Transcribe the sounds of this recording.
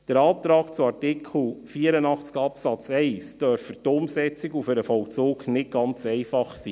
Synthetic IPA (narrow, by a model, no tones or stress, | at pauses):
d̥əɾɑːp̚t̪ɾɑːkt͡suɑrtɪkʰl̩ˠfiːəɾənɑχt͡skɑpsɑt͡sɛɪsd̥œɾfətʊmsɛt͡sɪɡufʏɾəfɔlt͡suːknɪt̚ɡɑnt͡sɛɪfɑχsiː